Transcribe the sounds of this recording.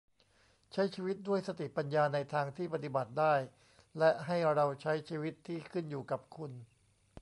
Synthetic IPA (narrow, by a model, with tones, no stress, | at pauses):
t͡ɕʰa˦˥jt͡ɕʰiː˧wi˦˥t̪̚du˥˩əjsa˧t̪i˨˩pa˧njaː˧na˧jt̪ʰaː˧ŋt̪ʰiː˥˩pa˧t̪i˨˩ba˨˩t̪̚daː˥˩j | lɛ˦˥ʔɦa˥˩jɾa˧wt͡ɕʰa˦˥jt͡ɕʰiː˧wi˦˥t̪ʰːiː˥˩kʰɯ˥˩njuː˨˩ka˨˩p̚kʰu˧n